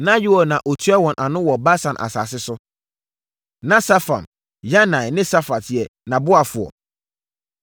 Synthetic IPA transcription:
nã˦ji˦ɔ˨nã˨ʔo˨tʰu˦ɛ˦wɔ̃˨nʔa˨nʊ̃˦wɔ˨ba˦sã˨nʔa̰˨sa̰ː˨sɪ˦sʊ˦ | nã˦sa˦fã̰˨n | ja˦nã˨jnɪ̃˦sa˦fa˨tɪ˨ɛ˨nã˨bʊ˦a˨fʊ˨ɔ̰˨

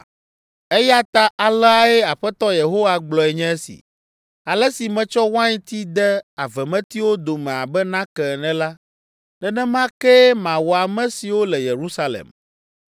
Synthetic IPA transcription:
e˦ja˦t̪a˦ʔa˨lɛ˦a˦ɛ˦a˨ɸɛ˦t̪ɔ˦je˨ɦo˦wa˦ɡ͡blɔ˨ɛ˨ɲɛ̃˦ɛ˦sḭ˨ | a˨lɛ˦si˨mɛ̃˨t͡ʃɔ˦wã˦ɲi˦t̪i˦d̪ɛ˦a˨vɛ˨mɛ̃˦t̪i˦wo˦d̪o˨mɛ̃˨a˨bɛ˦nã˦kɛ˨nɛ̃˦la˦ | nɛ̃˨nɛ̃˦mã˦kɛ˦mã˨wɔ˨a˨mɛ̃˦si˨wo˦lɛ˨je˨ɾu˦sa˦lḛ˨m

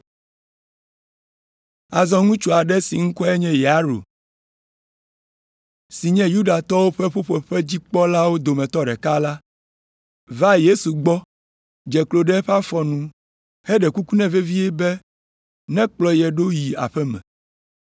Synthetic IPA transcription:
a˨zɔ̃˦ŋũ˦t͡ʃu˨a˨ɖɛ˦si˨ŋ̩˦kɔ˦ɛ˦ɲɛ̃˦jɛ˨a˨˦ɾo̰˨ | si˨ɲɛ̃˦ju˦ɖa˨t̪ɔ˦wo˦ɸɛ˦ɸo˦ɸo˦ɸɛ˦d͡ʑi˦k͡pɔ˦la˦wo˦d̪o˨mɛ̃˨t̪ɔ˦ɖɛ˨ka˦la˦ | va˦je˦su˨ɡ͡bɔ˦ | d͡ʒɛ˨klo˨ɖɛ˦ɸa˦fɔ˨nũ˦ | hɛ˦ɖɛ˨ku˦ku˦nɛ̃˦ve˦vi˦ɛ˦bɛ˦ | nɛ̃˦k͡plɔ˨jɛ˨ɖo˦ji˨a̰˨ɸɛ˦mɛ̰̃˨

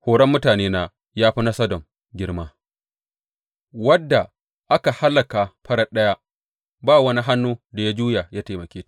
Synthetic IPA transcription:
hoː˨ɾɐ˦mːʊ˦taː˨neː˦na˦ | jaː˦ɸi˦na˦sɐ˦dɔ˨m | ɡʲɪ˦ɽmaː˦ | wɐ˦dːa˨ | ʔa˦ka˨ha˦lːɐ˨ka˨ɸɐ˦ɽɐ˦ɗɐ˦ja˦ | baː˦wɐ˦ni˦ɦa˦nːuː˦da˨ja˦d͡ʒuː˦ja˨ja˦teː˨mɐ˨kʲeː˦

